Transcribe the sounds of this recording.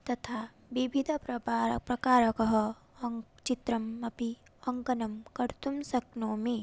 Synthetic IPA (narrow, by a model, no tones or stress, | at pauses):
t̪ɐt̪ʰaː | ʋibʱid̪ʱpɾɐapɾɐkaːɾɐkɐɦɐ | ɐŋ | t͡ʃit̪ɾɐmːɐpi | ɐ̃ŋkɐnɐmkɐɾt̪umsɐknoːmi